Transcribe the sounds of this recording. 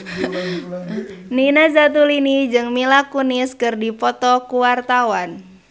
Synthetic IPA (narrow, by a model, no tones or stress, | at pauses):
ninazat̪̬ulinid͡ʒɨŋmilakuniskɨrdipɔt̪ɔkuwart̪awan